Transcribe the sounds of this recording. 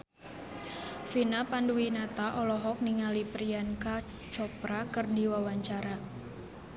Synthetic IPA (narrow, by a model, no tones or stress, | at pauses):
finapanduwinat̪aʔɔlɔɦɔk̚niŋalipɾianka | t͡ʃɔpɾakɨrdiwawaɲt͡ʃaɾa